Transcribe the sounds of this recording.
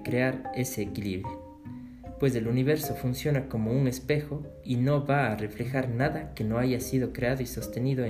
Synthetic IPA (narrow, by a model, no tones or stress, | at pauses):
kɾeaɾe̞se̞ːkilḭβɾjo | pwe̞se̞luniβ̞e̞ɾso̞funsjo̞nako̞mo̞uŋe̞spe̞xo | ino̞βaːre̞fle̞xaɾnaðake̞no̞aʝasiðo̞kɾe̞aðoiso̞st̪e̞niðo